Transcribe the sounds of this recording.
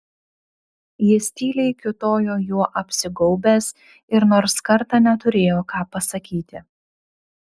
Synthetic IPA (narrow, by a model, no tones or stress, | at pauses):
jisʲt̪ʲiːlʲɛɪkʲʊt̪oːjoːjuɔʔɐpʲsʲɪɡɔʊbʲeːs | ɪɾnoːɾskɐɾt̪ɑːnʲɛt̪ʊɾʲeːjoːkɑːpɐsɐkʲiːt̪ʲɪ